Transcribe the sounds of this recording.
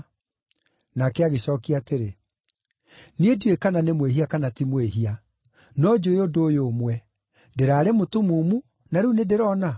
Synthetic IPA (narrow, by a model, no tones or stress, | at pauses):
nakɛaɣeɕɔːkiateɾe | nieduekananemweɦiakanatimweɦia | nɔd͡ʒoeodoːjoːmwɛ | deɾaːɾemotomuːmu | naɾunedeɾɔna